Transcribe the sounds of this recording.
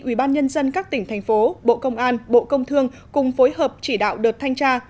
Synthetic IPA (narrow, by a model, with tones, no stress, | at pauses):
ʔwi˧˩ɓaː˧nɲə˧nzə˧nkaː˦˥k̚t̪ï˧˩ŋ̟t̪ʰɛ˨˩j̟fo˨˦ɓo̰˧˨kə˧wŋ͡mʔaː˧nɓo̰˧˨kə˧wŋ͡mt̪ʰɨ˧əŋ | kʊ˨˩ŋ͡mfo˨˦jɦəː˨˩p̚t͡ɕi˧˩ɗa̰ː˧˨wɗɨː˨˩t̚t̪ʰa˧jŋt͡ɕaː˧